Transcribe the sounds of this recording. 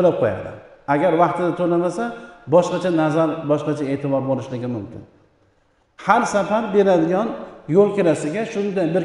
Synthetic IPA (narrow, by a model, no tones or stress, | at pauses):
olap̚qʰoja̰ɾd̪ɪ̰aɡʲaɾvɑqt̪ɪd̪at̪ʰolamasabɒʃqɑt͡ʃʰanazaɾbɒʃqɑt͡ʃʰae̞ːt̪ʰɪbɒɾbolɪʃlɪɡʲɪmʊmkʲɪ̰n | haɾsafaɾbe̞ɾad̪ɪɡʲanjolˠkʲʰeɾasɪɡʲaʃʊnɪd̪aj̪bɪɾ